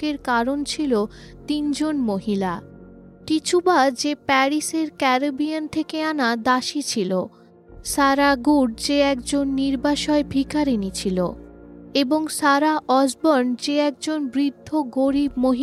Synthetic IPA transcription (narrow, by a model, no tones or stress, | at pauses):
keɾkaɾont͡ɕʰilot̪ind͡ʑonmoɦila | ʈit͡ɕʰubad͡ʑepɛɾiseɾkɛɾobiant̪ʰekeanad̪aʃit͡ɕʰilo | ʃaɾaɡuɖ̚d͡ʑeɛkd͡ʑonːiɾbaʃɔebʱikaɾinit͡ɕʰilo̰ | eboŋʃaɾaʔɔd͡ʑbɔɾnd͡ʑeɛk̚d͡ʑonbɾid̪ʱːoɡoɾibmoɦi